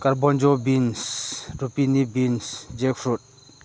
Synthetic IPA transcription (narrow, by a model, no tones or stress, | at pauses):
kaɾbɔnd͡ʒɔbinsɾupinibinsd͡ʒek̚fʰɾut̚